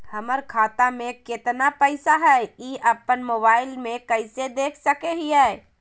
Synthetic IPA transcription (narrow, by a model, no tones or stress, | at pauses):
həməɾkʰat̪ameket̪napəɪsaɦəiʔəpːənmobaɪlmekəɪsed̪ekʰsəkeɦiɛ